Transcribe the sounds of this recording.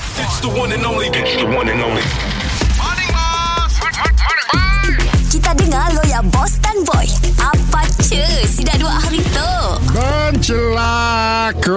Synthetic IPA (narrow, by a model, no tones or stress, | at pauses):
ɪtst̪əwɔ̃nɛnoisəwɔ̃nɛnoi | s | kit̪adəŋalojabɔst̪anbɔjʔapat͡ʃəsidaʔduaʔhaɾit̪o | bə | nt͡ʃəla | k